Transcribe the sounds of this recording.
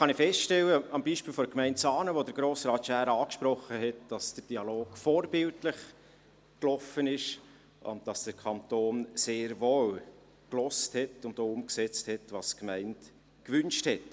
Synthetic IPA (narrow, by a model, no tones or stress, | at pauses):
χɑnɪfɛstʃtɛləɑmbiːʃpiːlfɔdəkmɛɪntsɑːnəʋodəɾɡɾoːsɾɑːtʃæːɾɑːkʃpɾɔχəɦɛtd̥ɑsd̥əɾd̥iɑloːɡfoːɾbɪltləχ | klɔfənɪʃ | ʔʊ̰ntd̥ɑsd̥əɾkʰɑntoːnseːɾʋoːw | klɔsthɛtʊntoːʊmksɛt͡sthɛtʋɑskmɛɪnt | kʋʏnʃthɛt